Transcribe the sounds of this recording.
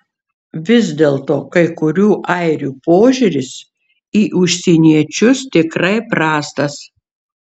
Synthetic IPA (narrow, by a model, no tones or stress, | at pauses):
ʋʲɪzʲd̪ʲeːlˠt̪oːkɐɪkʊɾʲuːʔɐɪɾʲuːpoːʒʲuɾʲɪs | iːʔʊʃʲsʲinʲiɛt͡ʃʲʊst̪ʲɪkɾɐɪpɾɑːst̪ɐs